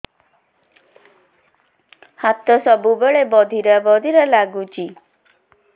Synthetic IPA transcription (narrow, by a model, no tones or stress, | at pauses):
hat̪ɔsɔbubeɭebɔd̪ʱiɾabɔd̪ʱiɾɔlaɡut͡ʃʰi